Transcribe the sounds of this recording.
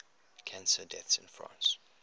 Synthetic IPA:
kʰæ̃nsədɛθsɪ̰̃nfɹã̰ns

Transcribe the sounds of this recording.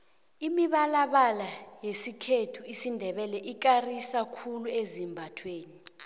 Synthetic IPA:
imiɓalaɓalajesikʰetʰuisindʱɛɓɛlɛʔik̬arisakʰuluezimbʱatʰweːni

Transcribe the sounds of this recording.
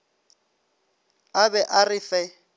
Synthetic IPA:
abɛʔarɪfɛ

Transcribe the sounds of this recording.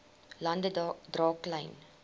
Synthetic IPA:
lɐndədrɑːklɐjn

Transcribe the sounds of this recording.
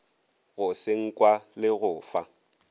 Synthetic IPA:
ɣʊseŋ̩kʼwalɪɣʊːfa

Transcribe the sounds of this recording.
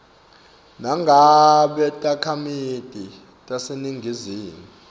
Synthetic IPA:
naŋɡʱaɓɛtʼakʰamid̥ʱi | tʼaseniŋɡʱiziːmu

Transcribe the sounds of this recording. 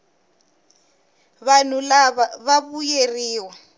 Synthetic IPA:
βan̤ulaβaβaβujeriːwa

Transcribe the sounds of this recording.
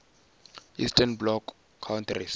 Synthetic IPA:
istʰanblɔkʰː | awnt̪ʰris

